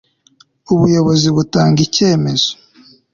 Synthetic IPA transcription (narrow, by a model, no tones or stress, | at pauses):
uβujo̞βo̞ziβutaːŋɡice̞ːme̞z̥o̥